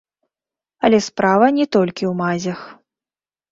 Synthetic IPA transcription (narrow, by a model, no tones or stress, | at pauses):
ɐlʲɛspɾavɐnʲɛt̪ɔlʲkʲiwmazʲɐx